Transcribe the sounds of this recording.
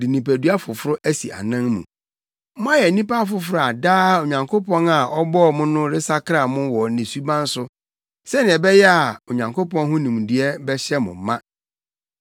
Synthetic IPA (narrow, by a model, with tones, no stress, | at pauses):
di˨nĩ˨pæ˨du˦a˦fʊ˨fʊ˦ɾʊ˦ʔæ˦sḭ˨ʔa̰˨nã˦ŋmṵ̃˨ | mʊ̃˦ã˦jɛ˨˦nĩ˦pa˦a˦˨fʊ˨fʊ˦ɾʊ˦a˨daː˦o˨ɲã˨ŋkʰo˦pɔ̃˦na˨ʔɔ˦bɔ˦˨mʊ̃˦nʊ̃˦ɾɪ˦sa˦kʰɾa˨mʊ̃˦wɔ˨nɪ̃˨su˦bã˦n̩˦sʊ˦ | sɛ˦nɪ̃˨ɛ˨bɛ˦jɛ˦a˨o˨ɲã˨ŋkʰo˦pɔ̃˦nɦʊ̃˦nĩ˨m˨di˨ɛ˦bɛ˦ɕɛ˦mʊ̰̃˨m˨mːã˦